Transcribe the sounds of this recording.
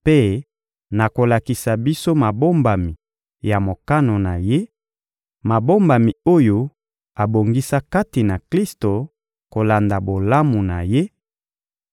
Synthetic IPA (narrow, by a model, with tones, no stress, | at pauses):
pe˦ | na˨ko˨la˨ki˨sa˨bi˦so˦ma˨bo˦mba˨mi˨ | ja˨mo˨ka˦no˨na˨je˦ | ma˨bo˦mba˨mi˨o˦jo˦ | a˨bo˨ŋɡi˦sa˦ka˦ti˨na˨kli˦sto˨ | ko˨la˨nda˨bo˨la˦mu˨na˨je˦